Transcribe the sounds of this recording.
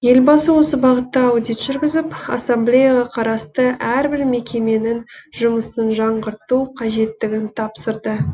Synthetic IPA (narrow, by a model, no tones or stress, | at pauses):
je̞lbɑsəwo̞səbɑʁət̪ːɑːwd̪ijt̪ʒ̥ʏɾɡʲɪzɪpɑ̰samblʲejaʁɑqʰɑɾɑst̪əʔæɾbɪɾme̞kʲe̞me̞nɪnʒʊməsənʒɑɴʁəɾt̪uqʰɑʒe̞t̪ːɪɡʲɪnt̪ʰɑpsəɾd̪ə